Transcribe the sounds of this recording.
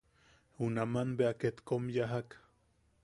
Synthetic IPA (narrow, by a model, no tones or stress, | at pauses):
unamanbeaket̪komjaɦak